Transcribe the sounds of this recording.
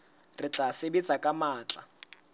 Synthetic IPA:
rɪt͡ɬʼasɪbit͡sʼakʼamaːt͡ɬʼa

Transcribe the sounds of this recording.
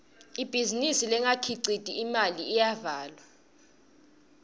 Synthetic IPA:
ib̥ʱizinisilɛŋakʰiǀitʼiːmaliːjavaːlwa

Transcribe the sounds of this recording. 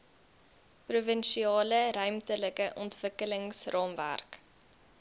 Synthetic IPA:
pruvənʃiɑːləɾœɥmtələkəʔɔntv̥əkələŋsrɑːmvæ̰rk

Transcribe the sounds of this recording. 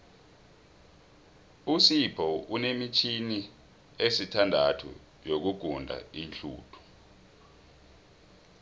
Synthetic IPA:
usipʰɔunemit͡ʃʰini | esitʰandʱatʰṵ | jok̬uɡ̥ʱundʱa̰inɬṵːtʰu̥

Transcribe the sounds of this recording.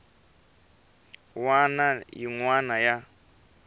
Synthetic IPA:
wanajḭŋwanaja

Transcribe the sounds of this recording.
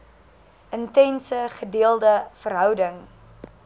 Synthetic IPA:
əntɛnsəχədiəlˠdəfəɾɦœwdəŋ

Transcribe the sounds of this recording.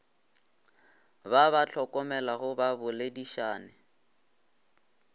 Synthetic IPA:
baβat͡ɬʰɔkʼɔmɛlahʊbabʊlediʃaːnɪ

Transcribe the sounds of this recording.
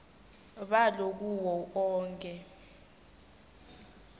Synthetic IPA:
ɓalok̬uwɔkɔːŋkʼɛ

